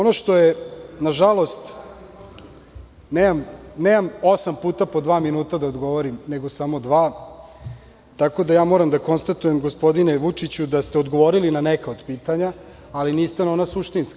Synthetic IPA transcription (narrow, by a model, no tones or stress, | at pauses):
onoʃt̪o̞jenaʒalˠo̞st̪ | neːmamneːmamo̞sampuːt̪apo̞d̪ʋaːminuːt̪ad̪aod̪ɡo̞ʋoɾimne̞ɡosamo̞d̪ʋaː | t̪ako̞d̪ajaːmo̞ːɾamd̪ako̞nst̪at̪ujemɡospo̞d̪ine̞ʋut͡ʂit͡ɕud̪ast̪eod̪ɡo̞ʋo̞ɾilinanekaod̪piːt̪aɲaː | liniːst̪anonasuʃt̪inska